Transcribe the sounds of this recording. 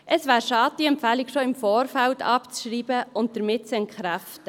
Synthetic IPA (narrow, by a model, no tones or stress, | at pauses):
ʔəsʋæːɾʃɑːt̚d̥iɛmpfæːlikʃoɪmfɔːɾfæltʰɑ̰pt͡sʃɾiːbəʊnt̚d̥əɾmɪtsɛnkχɾæftə